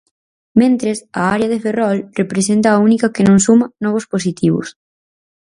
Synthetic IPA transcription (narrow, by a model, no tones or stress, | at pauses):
mẽnt̪ɾesɐaɾeɐðeferɔlrepɾes̬ent̪ɐːunikɐkenõŋsumɐnɔβ̞ʊspos̬it̪iβʊ̰s